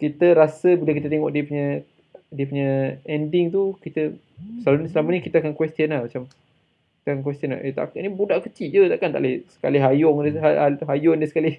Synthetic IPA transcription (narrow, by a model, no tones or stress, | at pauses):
kit̪əɾasəbilak̬it̪ət̪eŋɔʔdiəpuɲə | diəpuɲəɛndɪŋt̪ukit̪ə | səansəlamənikit̪akankwɛst̪iənlahmat͡ʃam | ki̥t̪əakankwɛst̪iəna̰hʔet̪a̰kanibudaʔkət͡ʃid͡ʒət̪aʔkant̪a̰ʔlesə̥ka̰lɪɦajʊŋaaɦajʊndəsə̥kalɪh